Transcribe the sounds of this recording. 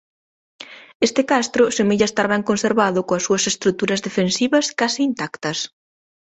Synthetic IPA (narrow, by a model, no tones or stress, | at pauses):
est̪ɪkast̪ɾʊsemeʎɐest̪aɾβɛŋkonseɾβaðʊkõɐsːuɐsest̪ɾut̪uɾɐzðefensiβɐskasiːnt̪akt̪ɐs